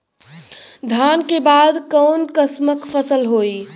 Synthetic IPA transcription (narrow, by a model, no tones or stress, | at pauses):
d̪ʱankebad̪kəwnkəsməkpʰəsəlɦoj